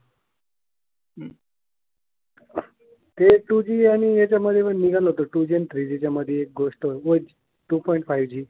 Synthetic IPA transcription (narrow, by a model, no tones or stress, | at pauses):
t̪eʈud͡ʑiaɽ̃ijat͡ɕjaməd̪ʱːjepəɳniɡaloɦot̪oʈud͡ʑent̪ɾid͡ʑit͡ɕjaməd̪ʱːjeːk̚ɡoʂʈɦood͡ʑ | ʈupɔiɳʈfajʋd͡ʑiː